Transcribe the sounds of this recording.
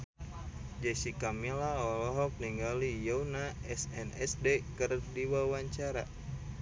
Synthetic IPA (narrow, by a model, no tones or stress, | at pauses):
d͡ʒɛsikamilaɔlɔɦɔk̚niŋɡalijonaɛsɛnɛsdekɨrdiwawaɲt͡ʃaɾa